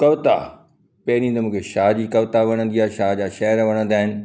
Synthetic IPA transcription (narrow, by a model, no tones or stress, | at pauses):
kɐʋt̪a̰ | pɐɦɾĩt̪̬ɐmũːkʰeʃaːɦd͡ʑiːkɐʋt̪aʋɐɽ̃ə̃n̆d̪ijaːʃaːɦd͡ʑaːʃɐɦəɾʋɐɽ̃ə̃nd̪aːɦɪnɪ̆